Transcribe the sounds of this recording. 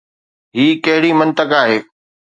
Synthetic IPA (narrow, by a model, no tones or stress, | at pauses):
ɦiːkɐɦɪɽimɐ̃nt̪əkaːɦeː